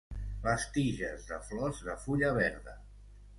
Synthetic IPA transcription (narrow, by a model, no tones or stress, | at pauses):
βəst̪iʒəzðəflɔzðəfuʎəβ̞ɛɾðə